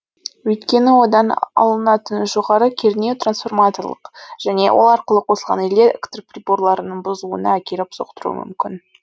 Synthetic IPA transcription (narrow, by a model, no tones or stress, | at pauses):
wɵjt̪kʲe̞nɪwo̞d̪ɑnɑ̰lˠənɑt̪ənʒo̞ʁɑɾəkʲʰeɾnewt̪ransfo̞rmat̪o̞rlˠə̰qʒ̥æne̞̰wʔo̞̰lˠɑɾqəlˠəqʰo̞səlˠʁɑ̰neld̪eɾḛkt̪rprʲibo̞ɾlˠɑɾənəɴbʊzuə̰nɑækʲe̞ɾɪpso̞̰qt̪əɾṵwə̰mʏ̰mkʲɪn